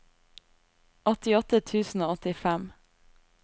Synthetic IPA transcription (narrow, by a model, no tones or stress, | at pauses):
ʔɔt̪ɪɔt̪ət̪ʰʉːsn̩oːɔt̪ɪfæm